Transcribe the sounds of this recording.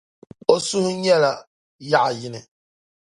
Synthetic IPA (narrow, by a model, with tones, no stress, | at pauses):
o˦su˦hʊ˦ɲɛ˦la˨ | ja˦ʔa˨jɪ˦nɪ˨